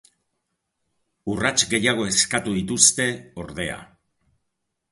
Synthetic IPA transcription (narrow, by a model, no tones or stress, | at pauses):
urat͡ʃɡe̞jaɣ̞o̞e̞skat̪uðit̪ust̪e̞o̞ɾðe̞a̰